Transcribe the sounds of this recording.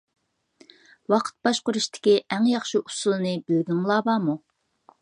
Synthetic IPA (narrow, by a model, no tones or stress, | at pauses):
wɑqʰə̥t̪̚bɑʃqʊɾuʃt̪ʰɪ̥kʲiʔæŋjɑχʃiʔu̥sulˠɨnɨbɪlɡʲiŋlˠɑːbɑːmu